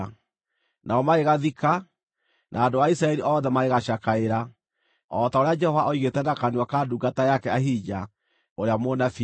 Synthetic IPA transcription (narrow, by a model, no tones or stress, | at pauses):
nʔaɔmaeɣaðika | nʔa̰ːdowaisɾaɛɾiʔɔːðɛmaeɣaɕakaeɾa | ɔtaoɾead͡ʒɛhɔvaʔɔiɣetɛnakanewakaːduːɡatajakɛaɦid͡ʒa | oɾeamonafi